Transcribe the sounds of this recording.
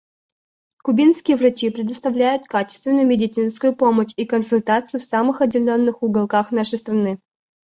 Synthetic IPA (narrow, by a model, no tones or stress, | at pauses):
kʊbʲinskʲɪjəvrɐt͡ɕipɾʲɪd̪əst̪ɐvlʲæjʊt̪kat͡ɕɪ̥st̪vʲɪnʊjʊmʲɪdʲɪt̪sɨnskʊjʊpoməɕikənsʊlʲt̪at̪sɨjʊfsamɨxɐdʲːɪlʲonːɨxʊɡɐlˠkaxnaʂəjst̪ɾɐnɨ